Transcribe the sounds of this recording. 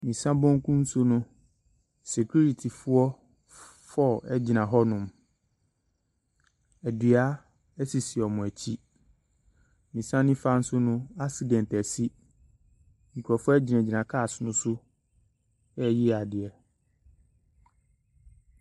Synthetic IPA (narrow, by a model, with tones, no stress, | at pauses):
mĩ˨sã˦bɔ̃˦ŋ˦kʰũ˦n̩˦sʊ˦nʊ̃˦ | se˨kʰu˦ɾi˨tʰi˨fʊ˦ɔ˦ | fɔ˦˨ɛ˦d͡ʑi˨nã˨ɦɔ˦nʊ̃˨m | æ˨dɥa˦ | ɛ˦si˨si˨ɔ˨mʊ̃˨æ˨t͡ɕʰi˦ | mĩ˨sã˦nɪ̃˦fa˦n̩˦sʊ˦nʊ̃˦a˦si˨dɛ̃˨ntæ˨si˦ | ɲĩ˨kʰɔ˨fʊ˦ɔ˦ɛ˦d͡ʑi˨nã˨d͡ʑi˨nã˨kʰa˦˨sʊ˦nʊ̃˦sʊ˦ | ɛ˦ji˦˨a˨dɪ˨ɛ˨